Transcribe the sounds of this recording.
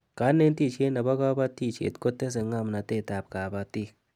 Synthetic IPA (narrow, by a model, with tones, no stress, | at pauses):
ka˨˦nːe˦nti˦˨t͡ʃe˦na˨ba˦ka˦ba˦ti˦˨t͡ʃḛ˨tko˦tːe˦s̬e˨ŋa˦˨m˨na˨te˦˨ta˨p̚ka˨ba˨ti˦